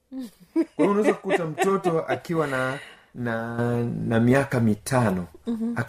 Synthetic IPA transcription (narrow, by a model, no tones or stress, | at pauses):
kaunaɛzakukutam̩tɔtɔʔakiwanananamiakamitʰanɔa